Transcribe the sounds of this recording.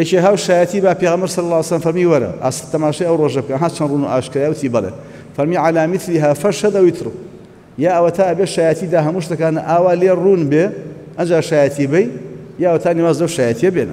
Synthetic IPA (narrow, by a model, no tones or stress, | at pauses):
jɐt͡ʃeɦaːwʃaːjɐt̪ʰiːbaːpeːɣɐmbɐɾsɐlːɐlːwesɐlɐmfɐɾmiːwɐɾɐ̰ʔa̰ːst̪ʰːɐmaːʃɐjɐwroːʒɐbɨkɐnɦat͡ʃʰɐnruːnuʔa̰ːʃkɾaːjɐwt̪ʰiːbɐlḛː | fɐɾmiːʕalaːmɪθliɦaːfɐʃhɐd̪ɐwit̪ʰɨɾɨw | jaːʔɐwɐt̪ʰaːɐbeːʃaːjat̪ʰiːd̪aːɦɐmuːʃt̪ɐkaːnɐʔaːwaːleːruːnbe | ʔɐnd͡ʒaːʃaːjɐt̪ʰibɐjjaːɐwɐt̪ʰaːniwaːzlɐwʃaːjɐt̪ʰiɐbenɐ̰